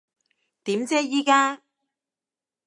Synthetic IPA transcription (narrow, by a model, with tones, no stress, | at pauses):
t̪iː˨˥mt͡sɛː˥jiː˥kaː˥